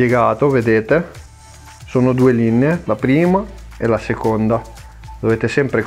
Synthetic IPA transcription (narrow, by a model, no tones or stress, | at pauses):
jeɡaːt̪oved̪eːt̪e | soːnod̪uːelineelapɾiːmaḛlasekond̪a | d̪̥oveːt̪esɛmpɾe